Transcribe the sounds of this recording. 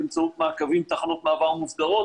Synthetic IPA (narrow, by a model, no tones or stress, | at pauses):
ɪmt͡saut̪makavimt̪aχanut̪maavaʁmufɡaʁɔt